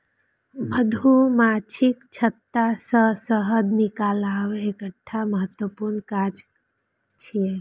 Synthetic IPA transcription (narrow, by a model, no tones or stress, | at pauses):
ʋəd̪ʱumat͡ʃʰikt͡ʃʰət̪ːasəsəɦəd̪nikalaːʋeekəʈʰːaməɦət̪wəpuɾnkad͡ʒ | t͡ʃʰie